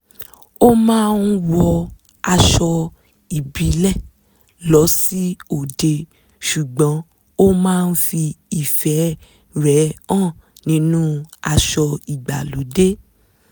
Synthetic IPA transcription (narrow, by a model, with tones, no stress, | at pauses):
o˦mãː˦˧n̩˦wɔ˧ | a˧ʃɔ˧ | i˨bi˨˦lɛ˦˨ | lɔ˨˦si˦o˨de˧ | ʃu˨ɡ͡bɔ̃˨˦ | o˦mãː˦˧n̩˦fi˧i˨fɛ˨˦ | ɾɛ˨˦ã˦˨ | nĩ˨˦nũ˦a˧ʃɔ˧i˨ɡ͡ba̰˨lo˨˦de˦